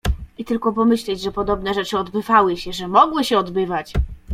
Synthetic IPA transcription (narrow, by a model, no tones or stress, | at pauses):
it̪ɘlkɔpɔmɘɕlɛd͡ʑʐɛpɔd̪ɔbn̪ɛʐɛt͡ʂɘɔd̪bɘvawɘɕɛʐɛmɔɡwɘɕɛɔd̪bɘvat͡ɕ